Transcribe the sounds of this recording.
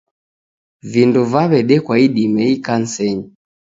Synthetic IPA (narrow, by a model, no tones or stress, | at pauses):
vinduvaβɛɗɛkwaiɗimɛikan̩sɛɲi